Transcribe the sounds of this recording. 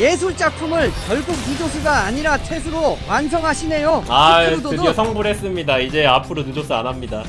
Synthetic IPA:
je̞s̬ʰuɭt͡ɕ͈apʰumɯɭkjʌɭɡuk̚nud͡ʑos̬ʰuɡaːɲiɾat͡ɕʰesʰuɾomansʰʌŋɦaɕʰine̞joadoɯdesʰʌŋbuɾɦes͈ɯmɲidaid͡ʑe̞apʰɯɾonɯd͡ʑos͈ɯanɦamɲida

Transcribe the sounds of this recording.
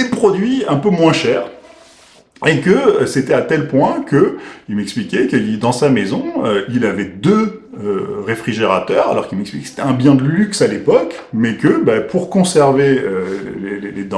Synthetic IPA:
epχɔd̪ɥiɛ̃pømwɛ̃ʃɛːʁ | ekəset̪ɛat̪ɛlpwɛ̃kəilmɛksplikʲɛkəlid̪ɑ̃samezɔ̃øilavɛd̪ø | øʁefχiʒeʁat̪œːʁa̰lɔ̰ʁkilmɛksplikekse̥t̪ɛɛ̃bjɛ̃d̪əlyksalepɔk | mɛkəbapʰuʁkɔ̃sɛʁveøleleled̪ɑ̃

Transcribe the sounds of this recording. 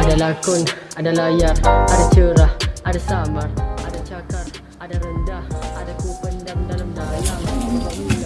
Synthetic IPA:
ʔadalaːkʊnʔadalaːjɐrʔadat͡ʃeɽaʔadasaːmɐrʔadat͡ʃakɐr | ʔadaɾɐndaʔadakuːkɐndɐmdɐlmdaːjaa

